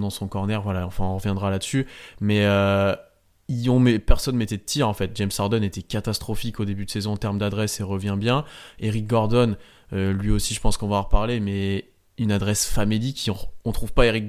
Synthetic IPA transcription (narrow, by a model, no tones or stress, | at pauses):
d̪ɑ̃sɔ̃kɔʁnɛʁvwalaɑ̃fɛ̃ɔ̃ʁəvjɛ̃d̪ʁalad̪əsymɛø | iɔ̃mepɛʁsɔnmet̪ɛt̪iʁɑ̃fɛt̪̚d͡ʒɛmsaʁd̪ɔnet̪ɛkat̪ast̪χɔfikod̪ebyd̪əsezɔ̃t̪ɛʁmd̪ad̪ʁɛseʁəvjɛ̃bjɛ̃eʁik̚ɡɔʁd̪ɔn | ølɥiosiʒəpɑ̃skɔ̃vaʁpaʁlemɛ | ynad̪ʁɛsfamilikʲʰːiɔ̃ɔ̃t̪χuvpaeʁik̚